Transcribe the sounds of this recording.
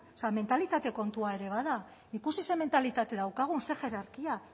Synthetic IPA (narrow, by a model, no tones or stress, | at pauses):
oseame̞nt̪alit̪at̪e̞ko̞nt̪uae̞ɾe̞β̞aða | ikusise̞me̞nt̪alit̪at̪e̞ðawkaɣ̞unse̞ʝe̞ɾaɾkia